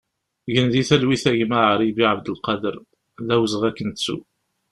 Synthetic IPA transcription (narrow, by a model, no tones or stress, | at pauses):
ʝənðiθælwiθæʝmaʕəɾˤibiʕəbd̪əlqɑd̪əɾˤ | ðæwzəʁækːənt͡sːṵ